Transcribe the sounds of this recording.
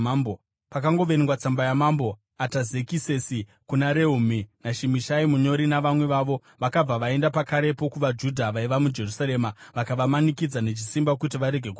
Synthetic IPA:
mbo | pakaŋɡo̞ʋeniŋɡwat͡sambajamambo̞ | ataze̞kise̞si | kunaɾe̞uminaʃimiʃaimuɲo̞ɾinaʋamwe̞ʋaʋo̞ | ʋakab͡vaʋae̞ndapakaɾe̞po̞kuʋad͡ʒudʱaʋaiʋamud͡ʒe̞rusaɾe̞maʋakaʋamanikid͡zane̞t͡ʃisimbakutiʋaɾe̞ɡʱe̞ku

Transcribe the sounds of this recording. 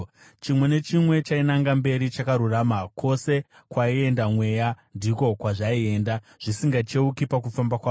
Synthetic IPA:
t͡ʃimwe̞ne̞t͡ʃimwe̞t͡ʃainaŋɡambe̞ɾit͡ʃakaɾuraːmakʰo̞se̞ | kwaie̞ndamwe̞jandiko̞kwaʐaie̞ːnda | ʐ̥isiŋɡat͡ʃeukipakufambakwaː

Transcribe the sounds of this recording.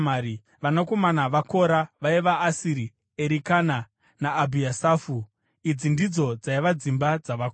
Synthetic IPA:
aɾi | ʋanako̞manaʋako̞ɾaʋaiʋaːsiɾi | eɾikana | naːbʱiasaːfu | id͡zindid͡zo̞d͡zaiʋad͡zimbad͡zaʋak

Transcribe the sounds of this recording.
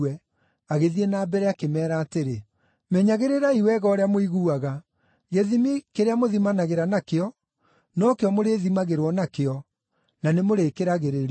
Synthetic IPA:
wɛ | aɣeðienaːbɛɾɛakemɛːɾaːteɾe | mɛɲaɣeɾeɾaiwɛɣɔːɾeamoiɣuːaɣa | ɣeðimikeɾeamoðimanaɣeɾanakeɔ | nɔkeɔmoɾeðimaɣeɾwɔnakeɔ | nanemoɾekeɾaɣeɾeɾ

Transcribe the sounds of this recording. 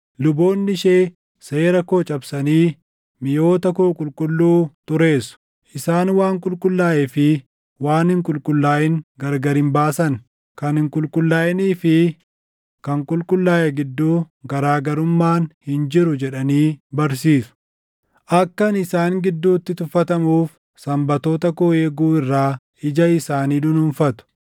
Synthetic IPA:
lʊbo̞ːnːɪʃeː | se̞ːɾɐko̞ːt͡ʃʼɐbsɐniː | mɪjo̞ːt̪ɐkoːkʼʊlkʼʊlːuːt̪ʊɾe̞ːsʊ̥ | ʔɪsaːnwaːŋkʼʊlkʼʊlːaːʔɛfɪ | waːnhɪŋkʼʊlkʼʊlːaːʔɪŋɡɐɾɡɐɾɪmbaːsɐn | kɐnhɪŋkʼʊlkʼʊlːaːʔɛniːfɪ | kɐŋkʼʊlkʼʊlːaːjɛɡɪd̪ːuː | ɡɐɾaːɡɐɾʊmːaːnhɪnd͡ʒɪɾʊd͡ʒɛᶑɐniːbɐɾs̬iːsʊ̥ | ʔɐkːɐnɪsaːŋɡɪd̪ːuːt̪ːɪt̪ʊfːɐt̪ɐmuːf | sɐmbɐt̪o̞ːt̪ɐkoːjeːɡuːɪrːaː | ɪd͡ʒɐɪsaːniːd̪ʊnʊnfɐt̪ʊ̥

